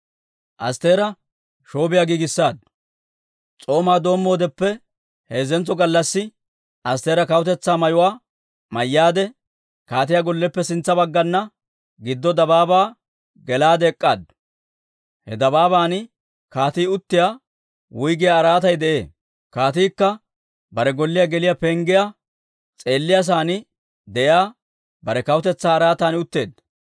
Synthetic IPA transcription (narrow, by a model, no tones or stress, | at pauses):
ʔɐ̰st̪e̞ːɾɐ | ʃo̞ːbɪjaːɡiːɡɪsːaːd̪̚ | t͡sʼo̞ːmaːd̪o̞ːmːo̞ːd̪ɛpːɛ | heːzɛnt͡sːɔɡɐlːɐsːɪ | ʔɐst̪e̞ːɾɐkɐwʊt̪ɛt͡sːaːmɐjʊwaː | mɐjːaːd̪ɛ | kaːt̪̬ɪjaːɡɔlːɛpːɛsɪnt͡sːɐbɐɡːɐnːɐ | ɡɪd̪ːɔd̪ɐbaːbaː | ɡɛlaːd̪ɛːkʼːa̰ːd̪ | hɛ̰d̪ɐbaːbaːnɪ | kaːt̪iːʊt̪ːɪja | wʊjɡɪjaːɾaːt̪ɐjd̪ɛʔe̞̰ː | kaːt̪iːkːɐ | bɐɾɛɡɔlːɪjɐɡɛlɪjapɛːŋɡɪja | t͡sʼe̞ːlːɪjas̬aːnɪ | d̪ɛʔjaː | bɐɾɛkɐwʊt̪ɛt͡sːaːɾaːt̪aːnʊt̪ːe̞̰ːd̪